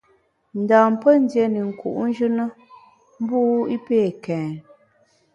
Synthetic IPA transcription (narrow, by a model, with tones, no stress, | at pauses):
n̩˨daː˨m̩˨pə˦n̩˦djɛ˨˦ni˨ŋ̩˨kṵ˨ʔn̩˦d͡ʒʉ˦nə˦ | m̩˦buː˦i˦peː˦˨kɛ̃ː˨